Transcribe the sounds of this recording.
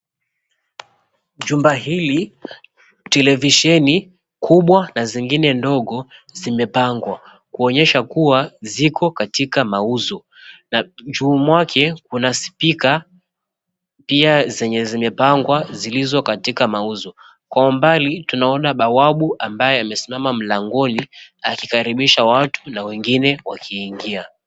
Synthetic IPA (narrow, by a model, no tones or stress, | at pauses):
ʄumbaɦili | tɛlɛviʃɛni | kʰuɓwanaziŋɡinɛndɔɠɔzimɛpaŋɡwa | kuɔɲɛʃakuwazikʰɔkatikamauzɔ | naʄuːmwakʰɛkunaspika | piazɛɲɛzimɛpaŋɡwazilizɔkatikamauzɔ | kwaumbalitunaɔnaɓawaɓuʔambajɛamɛsimamam̩laŋɡɔniakikaɾiɓiʃawatu̥nawɛŋɡinɛwakʰiːŋɡia